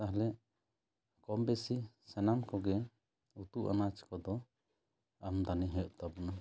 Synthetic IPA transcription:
t̪aɦlɛʔ | kɔmbɛsisɛnamkɔɡɛ | ut̪uʔa̰nat͡ʃkɔd̪ɔ | amd̪aniɦɛʔt̪abɔna

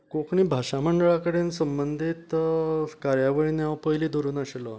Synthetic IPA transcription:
kokʰɳiːbʱaɕaməɳɖəɭakəɽensəmbənd̪ʱit̪ | kaɾjaʋeɭiːnjaʋpəɦjliːd̪ʱoɾuːnaɕelɔ

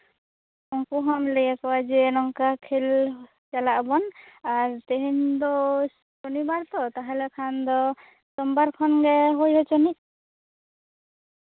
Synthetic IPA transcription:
ɔŋkuɦamlɛɛkɔwad͡ʒɛɾɔŋkakʰel | t͡ʃalaʔbɔnaɾt̪eɦind̪ɔ | sɔnibaɾt̪ɔt̪aɦɛlɛkʰand̪ɔ | sɔmbaɾkʰɔnɡɛɦojɦɔt͡ʃɔni

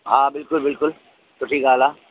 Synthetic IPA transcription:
ɦãːbɪlkʊlbɪlkʊl | t͡ʃʊʈʰiːkaːlaː

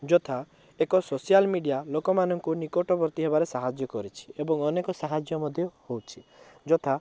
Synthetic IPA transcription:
d͡ʒɔt̪ʰa | ekɔsosijalmiɖijalokɔmanɔŋkunikoʈɔbɔɾt̪iɦebaɾesaɦad͡ʒjɔkɔɾit͡ʃʰi̥ebɔŋɔnekɔsaɦad͡ʒjɔmɔd̪ʱjɔhowt͡ʃʰi | d͡ʒɔt̪ʰa

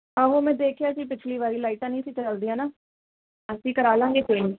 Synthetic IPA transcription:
ɦãːɦoːmɛ̃ːd̪eːkʰjaːd͡ʒiːpɪt͡ʃʰliːʋaːɾiːlaːiːʈãːnĩːəsĩːt͡ʃəld̪iːãːnaː | əsĩːkəɾaːlãːŋɡeːt͡ʃẽːnd͡ʒ

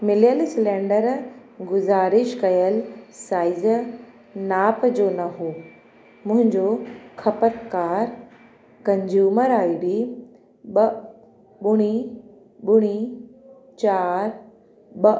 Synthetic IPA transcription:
mɪljəlsɪlẽːɳɖəɾ | ɡʊzaːɾɪʃkɐjəlsaːɪz | naːpd͡ʑoːnɐɦoː | mʊ̃ɦɪ̃ɲd͡ʑokʰɐpət̪kaːɾ | kɐ̃ɲd͡ʑuːməɾaːibi | ɓɐ | ɓʊɽ̃i | ɓʊɽ̃i | t͡ɕaːɾ | ɓɐ

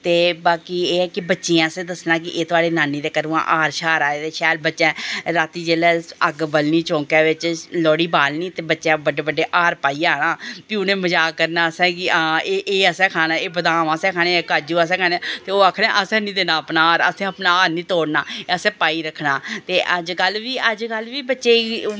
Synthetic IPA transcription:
t̪eːbaːkiːeːɛːkɪbətːʃeːãːəsẽːd̪əsnaːkɪʔeːt̪ʊaːɽeːnaːnːiːd̪eːkəɾũːã̰ːʔaːɾʃaːɾaːeːt̪eːʃɛːlbətːʃɛ̃ːɾaːt̪iːd͡ʒeːlɛːəɡbəlniːt͡ʃõːkaːʋɪt͡ʃlɔːɽiːbaːlniːt̪eːbətːʃɛ̃ːbəɖeːbəɖeːʔaːɾpaːiːjaːnaːpiʊnẽːməd͡ʒaːkəɾnaːəsɛ̃ːkɪaeːʔeːəsɛ̃ːkʰaːnaːeːbəd̪aːmaːsɛ̃ːkʰaːnẽːkaːd͡ʒuːəs̬ɛ̃ːkʰaːneɛːt̪eːoːaːkʰɽɛ̃ːʔəsɛ̃ːnĩːd̪eːnãːəpnaːaːɾə̰sɛ̃ːəpnaːaːɾnĩːt̪oːɽnaːəsɛ̃ːpaːiːɾəkʰːnaːt̪eːʔəd͡ʒkəlʋiːʔəd͡ʒkəlʋiːbətːʃeː

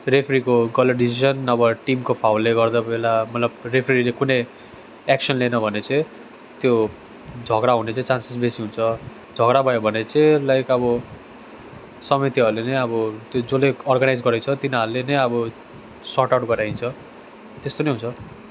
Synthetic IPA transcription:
repʰrikoɡʌlʌɖisisʌnʌbʌʈimkopʰawleɡʌrd̪abelamʌt̪lʌb̚repʰrilekunʌj | eksʌnlenʌbʱʌnet͡sʌ̃ĩ | t̪jo | d͡zʱʌɡɾaɦũnet͡sĩt͡sansisbesiɦunt͡sʰʌ | d͡zʱʌɡɾabʱʌjobʱʌnet͡sʌ̃lajkʌbʌ | sʌmit̪iɦʌɾrlenʌjʌbʌt̪jod͡zoleɔrɡanajd͡zɡʌɾet͡sʰʌt̪inaʌrlenʌjʌbʌ | sɔʈawʈɡʌɾjaĩnt͡sʰʌ | t̪est̪onʌjɦunt͡sʰʌ

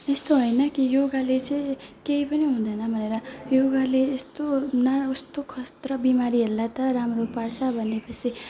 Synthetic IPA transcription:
est̪oɦojnʌkijoɡalet͡sʌĩkeipʌniɦũd̪ʌnʌbʱʌneɾʌjoɡaleːst̪onaust̪okʰʌst̪rʌbimaɾiɦelːat̪ʌɾamropaɽt͡sʰʌbʱʌnːepʌt͡sʰi

